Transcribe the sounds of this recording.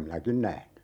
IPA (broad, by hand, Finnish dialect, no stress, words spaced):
minækin næhny